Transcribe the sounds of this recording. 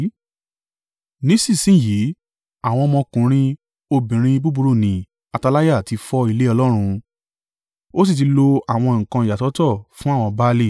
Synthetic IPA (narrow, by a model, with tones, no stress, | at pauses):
nĩ˨˦sĩ˦˨sĩ˦˨ji˨˦ | a˦˨w̃ɔ̃˧mɔ̃˧kũ˨˦ɾ̃ĩ˧ | o˧bĩ˨ɾ̃ĩ˧bu˦bu˧ɾo˦˨nĩ˨ | a˧ta˧la˦ja˦˨ti˧fɔ˧i˧le˦ɔ˧lɔ˦ɾ̃ũ˧ | o˦s̬i˦˨t̬i˧˦lo˧a˦˨w̃ɔ̃˧ŋ̩̃˨kã˧˨ja˨tɔ˨˦tɔ˦˨fũ˦a˦˨w̃ɔ̃˧ba˦li˦˨